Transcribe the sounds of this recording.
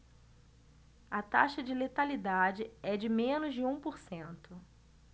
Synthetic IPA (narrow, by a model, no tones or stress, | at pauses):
ɐt̪aʃɐd͡ʒɪlet̪alid̪ad͡ʒɪɛd͡ʒɪmẽnʊzd͡ʒɪũpoɾsẽnt̪ʊ